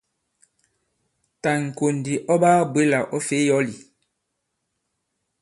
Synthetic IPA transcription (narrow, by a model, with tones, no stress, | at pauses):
ta˨ŋ̩˨ko˨n˨di˨ʔɔ˦baː˦bwe˦la˨ʔɔ˦fe˦jɔ˦li˨